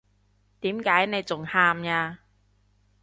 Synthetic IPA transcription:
t̪iː˨˥mkaː˨˥jne˨˧jt͡sʊ˨˩ŋhaː˧mjaː˧

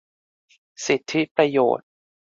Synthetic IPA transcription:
si˨˩t̪ʰːi˦˥pɾa˧jo̰ː˨˩t̪̚

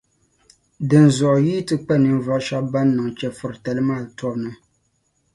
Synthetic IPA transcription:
dɨ˨n˨zɔ˨ʔji˦tɨ˦k͡pɛ˦nɨ˨n˦va˦ʔʃa˦ba˦nː˦ɨ˨ŋt͡ʃɛ˨fʊ˨ɾtɛ˨lɨ˦maː˦˨tɔ˦bnɨ˦

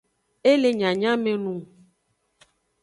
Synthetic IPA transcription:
e˦le˨ɲã˨ɲã˦mẽ˨nũ˨

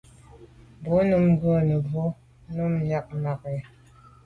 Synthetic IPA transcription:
bo˨˦nɨ˦mɡo˦nə˨bo˦ | nə˦mɲa˦k̚ma˨kɛ˨

